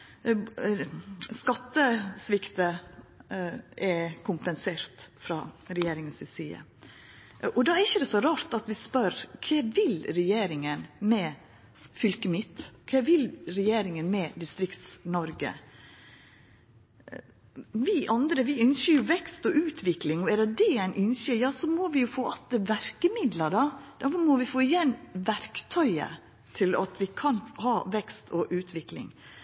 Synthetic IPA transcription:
skɑt̪ːəsʋɪkt̪ə | ɛkʰʊmpənseːɾt̪fɾɑ̰ːɾɛjeːɾɪŋənsɪsiːə̰ | ʔɔd̪ɑɛɾɪçːəd̪ɛsɔɾɑːɾt̪ɑt̪ʋɪspœɾkʰɛːʋɪlɾɛjeːɾɪŋənmɛ | fʏlkəmɪt̪ːkʰɛːʋɪlɾɛjeːɾɪŋənmɛd̪ɪst̪ɾɪkt̪snɔɾɡə̰ | ʋɪʔɑnd̪ɾəʋɪʏnʃəɾjʊʋɛkst̪ɔʔʉːt̪ʰʋɪklɪŋɔɛɾəd̪ɛæɪnʔʏnʃəjɑːsɔmɔʋɪjʊfoːʔɑt̪əʋæɾkəmɪd̪ləɖɑd̪̥æɾfɔmɔʋɪfoːɪjɛnːʋæɾkt̪ʰœʏə̰ | t̪ʰɪlɑ̰t̪ʋɪkʰɑnhɑːʋɛkst̪ʰɔʔʉːt̪ʰʋɪklɪ̰ŋ

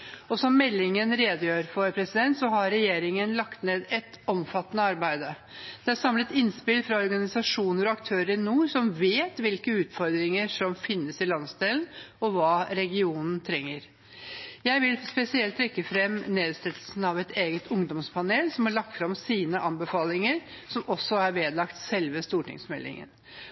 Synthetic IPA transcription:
ɔsɔmːɛlːɪŋənɾeːd̪əjøːɾfɔɾpʰɾɛsɪd̪ɛnt̪sɔɦɑɾɾɛjeːɾɪŋənlɑkt̪neːd̪ɛt̪ | ɔmfɑt̪ːənəɑɾbæɪd̪ə | d̪̥ɛæɾsɑmlət̪ɪnspɪlfɾɑɔɾɡɑnɪsɑʂuːnəɾɔɑkt̪ʰøːɾəɾɪnuːsɔmʋeːt̪ʋɪlkəʉːt̪fɔɾd̪ɾɪŋəʂɔmfɪnːəsɪlɑnsd̪eːlnɔʋɑːɾɛɡɪuːnn̩t̪ʰɾɛŋːəɾ | jæɪʋɪlspɛsɪɛlt̪ʰːɾɛkːəfɾɛmːneːd̪st̪ɛt̪əl̩sn̩ɑʋɛt̪eːɡət̪ʰʊŋd̪ɔmspʰɑneːlsɔmhɑɭɑk̚t̪fɾɑmsiːnəʔɑmbəfɑːlɪŋəɾ | sɔmʔɔsɔæɾʋeːd̪lɑkt̪sɛlʋəst̪uːʈɪ̰ŋsmɛ̰lːɪ̰ŋə̰n

